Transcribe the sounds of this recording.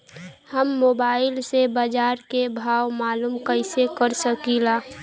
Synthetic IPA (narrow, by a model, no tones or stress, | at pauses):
həmːoːbaːɪlsebad͡ʒaːɾkebʱaːwmaːluːmkəɪsekəɾsəkilaː